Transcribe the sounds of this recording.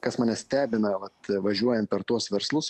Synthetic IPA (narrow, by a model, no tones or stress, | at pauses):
kɐsmɑːnʲɛsʲt̪ʲæːbʲɪnɐʋɐt̪ʋɐʒʲuɔjɛnt̪̚pʲɛɾt̪uɔsʋʲɛɾslˠʊs